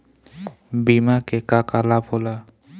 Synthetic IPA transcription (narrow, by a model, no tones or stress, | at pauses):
bimakɛkakalapɔla